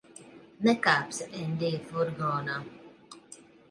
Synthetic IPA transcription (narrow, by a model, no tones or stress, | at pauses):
nɛkaːpsɛnd̪iːfuɾɡɔːna